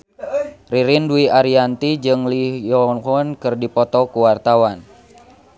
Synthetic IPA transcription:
riɾinduiaɾiant̪id͡ʒɨŋlihjɔŋhɔnkɨrdipɔt̪ɔkuwart̪awan

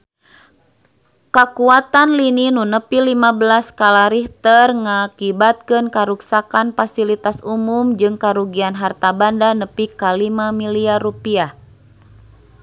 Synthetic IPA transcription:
kakuat̪anlininunəpilimabəlaskalaɾiht̪ərŋakibat̪̚kɨnkaɾuksakanfasilit̪asumumd͡ʒɨŋkaɾuɡianɦart̪abandanəpikalimamiliarupiah

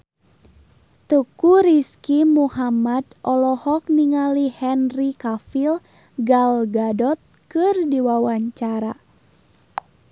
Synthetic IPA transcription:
t̪ukuɾiskimuhamadʔɔlɔhɔk̚niŋalihɛnrikafil | ɡalɡadɔt̪̚kɨrdiwawaɲt͡ʃaɾa̰

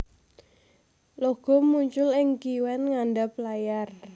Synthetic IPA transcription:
loɡ̥ɔ̤muɲt͡ʃʊlɪŋkiwɛnŋanɖaplajar

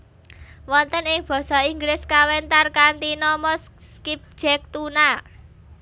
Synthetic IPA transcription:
wɔnt̪ənɪŋb̥ɔ̤sɔiŋɡlɪskawɛnt̪arkant̪inɔmɔsskip̚d̥d͡ʒ̥ɛk̚t̪una

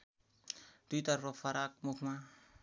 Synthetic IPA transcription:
t̪uit̪arrɔfaɾak̚mukma

